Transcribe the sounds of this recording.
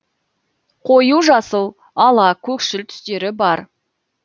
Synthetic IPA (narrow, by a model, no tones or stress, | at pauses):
qʰo̞juʒɑsəlˠ | ɑlˠɑkʲʰɵkʃɪlt̪ʰʏ̥st̪e̞ɾɪbɑɾ